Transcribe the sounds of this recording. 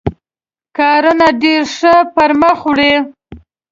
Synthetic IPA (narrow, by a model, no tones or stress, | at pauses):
kɑɾunaɖeɾʂəpaɾməxwɽe